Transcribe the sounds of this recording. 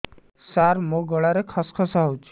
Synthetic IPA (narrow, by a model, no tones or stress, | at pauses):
saɾmõɡɔɭaɾekʰaskʰɔsaɦowt͡ʃʰu̥